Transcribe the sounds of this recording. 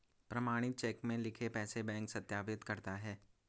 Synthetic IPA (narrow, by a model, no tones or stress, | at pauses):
pɾɐmaːɽ̃ɪt̪̚t͡ʃɛːkmẽlɪkʰepɛːsebɛ̃ːŋksɐt̪jaːʋɪt̪kɐɾt̪aɦɛː